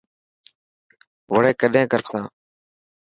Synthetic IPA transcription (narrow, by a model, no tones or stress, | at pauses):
ʋəɽeːkəɗẽːkəɾsãː